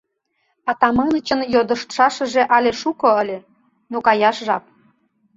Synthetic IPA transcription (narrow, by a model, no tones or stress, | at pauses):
ɑt̪ɑmɑnə̆t͡ɕə̆njod̪ə̆ʃt̪ʃɑʃə̆ʒĕʔɑlʲeʃukŏəlʲe | nokɑjɑʃʒɑp̚